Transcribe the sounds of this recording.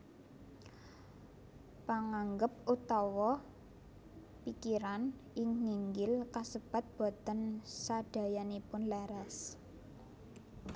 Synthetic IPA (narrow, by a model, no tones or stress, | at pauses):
paŋaŋɡəp̚ut̪ɔwɔ | pikiɾanʔɪŋniŋɡɪlkasəb̥a̤t̪̚b̥o̤t̪ənsaɖ̥a̤janipʊnlɛɾɛs